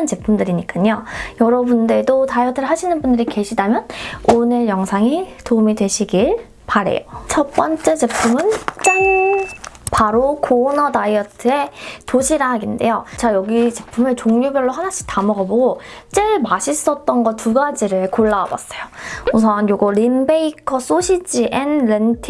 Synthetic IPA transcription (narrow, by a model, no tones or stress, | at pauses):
ɯnt͡ɕe̞pʰumdɯɾiɲik͈aɲojʌɾʌbundedotaiʌtʰɯɭɦaɕʰinɯnbundɯɾike̞ɕʰidamjʌnonejʌŋsʰaŋitoumidwe̞ɕʰiɡiɭ | paɾe̞̰jot͡ɕʰʌp͈ʌnt͡ɕ͈e̞t͡ɕe̞pʰumɯnt͡ɕ͈aŋ | paɾokʰonʌtaiʌtʰɯe̞toɕʰiɾaɦɡinde̞̰jot͡ɕajʌɡit͡ɕe̞pʰumɯt͡ɕoŋɲubjʌɭːoɦanaɕ͈ʰi̥tamʌɡaboɡot͡ɕ͈eɭmaɕʰis͈ʌt̚t͈ʌnɡʌtuɡad͡ʑiɾɯɭkoɭːaa̰ba̰s͈ʌjousʰʌnjoɡʌɾimbeikʰʌs͈ʰoɕʰid͡ʑiʔenɾentʰi